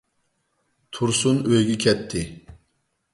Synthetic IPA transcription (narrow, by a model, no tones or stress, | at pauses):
t̪ʰuɾsunøjɡʲɛkʲʰɛt̪ʰːɪ